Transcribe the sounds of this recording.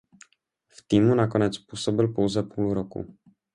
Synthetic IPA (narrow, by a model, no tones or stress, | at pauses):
ft̪iːmunakonɛt͡spuːsobɪlpo̞wzɛpuːlɾokṵ